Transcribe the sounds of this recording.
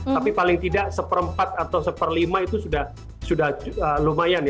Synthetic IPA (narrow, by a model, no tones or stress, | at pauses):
t̪apipalɪŋt̪idaʔsəpəɾəmpat̪̚at̪awsəpərlimait̪usudah | sudahəlumajanj